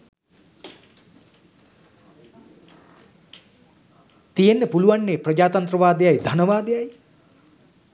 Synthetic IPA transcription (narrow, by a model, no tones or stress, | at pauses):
t̪ijenːəpuluʋanːeːprəd͡ʒaːt̪ɐnt̪rɐʋaːd̪ejajd̪ʱɐnɐʋaːd̪ejaj